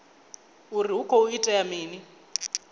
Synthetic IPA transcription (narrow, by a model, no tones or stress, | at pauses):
uriukʰɔuitʼɛjamiːni